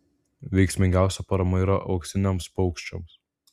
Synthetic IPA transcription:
ʋʲɛɪksʲmʲɪŋʲɡʲæˑʊsʲɛpɐɾɐmɐiːɾɐʔɒʊksʲɪnʲomspɔʊkʃʲt͡ʃʲo̰ms

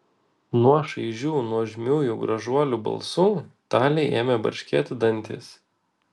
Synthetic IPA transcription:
nuɔʃɐɪʒʲuːnuɔʒʲmʲuːjuːɡɾɐʒuɔlʲuːbɐ̰lˠsuːt̪ɑːlʲɛɪʔeːmʲebɐ̰ɾʲʃʲkʲɛt̪ʲd̪ɐnʲt̪ʲɪ̰s

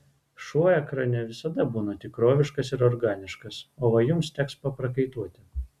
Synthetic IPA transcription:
ʃuɔjɛkɾɐnʲɛʋʲɪsɐd̪ɐbuːnɐt̪ʲɪkɾoːʋʲɪʃkɐsɪɾɔɾɡɑːnʲɪʃkɐsoːʋɐjʊmst̪ʲɛkspɐpɾɐkɐɪt̪uɔt̪ʲɪ

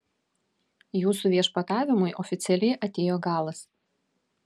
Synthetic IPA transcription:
juːsuʋʲiɛʃpɐt̪ɑːʋʲɪmʊɪʔɔfʲɪt̪sʲɛlʲɛɪʔɐt̪ʲeːjoːɡɑːlˠɐs

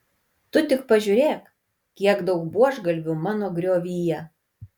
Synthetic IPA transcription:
t̪ʊt̪ʲɪkpɐʒʲuɾʲeːk | kʲiɛɡd̪ɐʊkbuɔʒɡɐlʲʋʲʊmɑːnoːɡɾʲoːʋʲiːjɛ

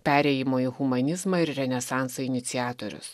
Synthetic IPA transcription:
pʲæːɾʲɛːjɪmoːiːɣʊmɐnʲɪzmɑːɪɾɾʲɛnʲɛsɑˑnˑsoɪnʲɪt̪sʲɪæːt̪oːɾʲʊ̰s

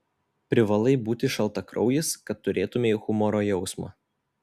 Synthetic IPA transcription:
pʲɾʲɪʋɐlˠɐɪbuːt̪ʲɪʃɐlˠt̪ɐkɾɒʊjɪskɐt̪ːʊɾʲʔeːt̪ʊmʲeixʊmɔɾoːjɛʊsmɐ̰ː

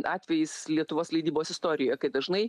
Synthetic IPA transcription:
ʔɑːt̪ʲʋʲɛjɪslʲiɛt̪ʊʋoːslʲɐɪd̪ʲiːboːsɪst̪oːɾʲɪjoːjɛkɐɪd̪ɐʒnɐɪ

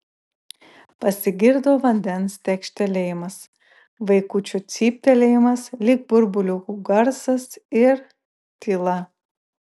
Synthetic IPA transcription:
pɐsʲɪɡʲɪɾd̪oːʋɐnʲd̪ʲɛnst̪ʲɛkʃʲt̪ʲɛlʲeːjɪmɐs | ʋɐɪkuːt͡ʃʲut̪sʲiːpʲt̪ʲɛlʲejɪmɐslʲɪk̚bʊɾbʊlʲukuɡɐɾsɐsɪɾ | t̪ʲilˠɐ

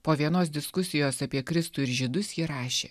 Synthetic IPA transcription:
poːʋʲiɛnoːs̬d̪ʲɪskʊsʲɪjoːsɐpʲiɛkɾʲɪst̪uːɪɾʒʲɪd̪ʊsjiːɾɑːʃʲḛː

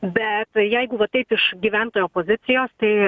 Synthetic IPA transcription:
bʲɛt̪jɛɪɡʊʋɐtt̪ɐɪpɪʃɡʲiːʋʲænt̪oːjoːpoːzʲɪt̪sʲɪjoːst̪ɐɪ

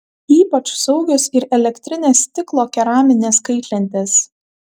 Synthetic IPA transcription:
iːpɐt͡ʃsɐʊɡʲosɪɾɛlʲɛkʲt̪ʲɾʲɪnʲeːst̪ʲɪklˠoːkʲɛɾɑːmʲɪnʲeːskɐɪt̪ʲlʲɛnʲt̪ʲeːs

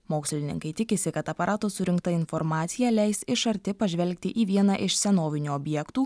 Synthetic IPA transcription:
moːksʲlʲɪnʲɪ̰ŋkɐɪt̪ʲɪkʲɪsʲɪkɐt̪ɐpɐɾʔɑːt̪oːsʊɾʲɪŋkt̪ɐɪnfɔɾmɑːt̪sʲɪjɛːlʲɛɪsɪʃɐɾʲt̪ʲɪpɐʒʲʋʲɛlʲk̚ʲt̪ʲɪʔiːʋʲiɛnɑʔɪʃsʲɛnoːʋʲɪnʲuːɔbʲjɛkt̪uː

